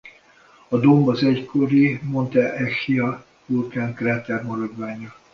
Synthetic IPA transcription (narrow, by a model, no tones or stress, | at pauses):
ɒd̪o̞mbɒzɛckʰoɾimo̞nt̪ɛʔɛxijɒ | urkankraːt̪ɛrmɒɾɒd̪ʋaːɲɒ